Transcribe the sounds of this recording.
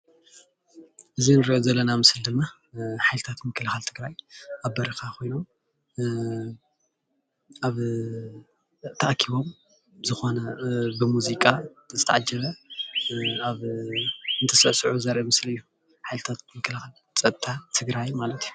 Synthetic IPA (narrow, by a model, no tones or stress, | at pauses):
ʔɨzinɨɾiʔozɐlːɐnamɨsɨld̪ɨmːa | ħajlɨt̪ʰat̪mɨkʰːɐlɨxalt̪ʰɨɡɾajʔaβbɐɾixaxo̞jnu | ʔaβ | t̪ʰɐʔkʰiβo̞m | zɨxo̞nɐbɨmuzikʼa | zɨt̪ʰɐʔʕad͡ʒɐβɐ | aβ | ɨnt̪ʰɐsɐʔsɨʕuzɐɾʔɐmɨslɨjːu | ħajlɨt̪ʰat̪̚mɨkʰːɐlxal | t͡sʼɐt̪̚t̪ʰat̪ʰɨɡɾajmalɐt̪ʰju